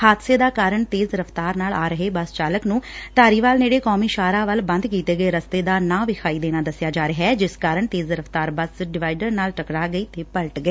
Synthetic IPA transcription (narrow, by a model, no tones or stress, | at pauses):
haːt̪seːd̪aːkaːɾəɳt̪eːzɾəfʰt̪aːɾnaːlaːɾəɦeːbəst͡ʃaːləknũːt̪aːɾiːʋaːlneːɽeːkɔːmiːʃaːɾaːʋəlbə̃nd̪kiːt̪eːɡəeːɾəst̪eːd̪aːnãːʋɪkʰaːiːd̪eːnaːd̪əsjaːd͡ʒaːɾɪɦaɛːd͡ʒɪskaːɾəɳt̪eːzɪɾəft̪aːɾbəsɖɪʋaːɪɖəɾnaːlʈəkɽaːɡəiːt̪eːpəlʈɡəeː